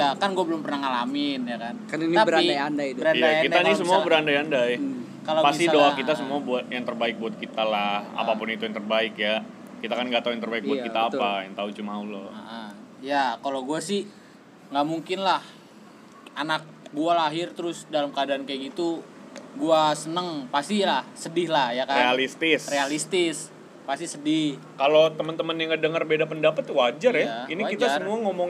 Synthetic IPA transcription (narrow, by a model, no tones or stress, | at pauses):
jakanɡuabəlʊmpərnahŋalamɪnjakankaniniabəɾainajandajbəɾajdajakitd̪anisəmuabəɾandajandaj | kalapasit̪idoakit̪asəmuabuat̪̚jaŋt̪ərbaɪk̚buat̪̚kit̪alaha̰papʊnit̪ujaŋt̪ərbaɪkja | kit̪akanɡat̪auaŋt̪ərbaɪk̚buakit̪aːtpajaŋt̪aut͡ʃumaulɔa̰ʔa | jakalawɡuasɪh | ŋɡaʔmuŋkɪnlah | ʔanak̚bualaɦɪrt̪əɾʊsdalamkəadaːnkajaɡit̪u | ɡuasənəŋpast̪ilahsədɪhlahjakarealist̪ɪsrealist̪ɪs | past̪isədɪh | kalot̪əmənt̪əmənjaŋɡədəŋərbedapəndapət̪wad͡ʒarjainiakitd͡ʒ̪asəmuaŋomɔŋ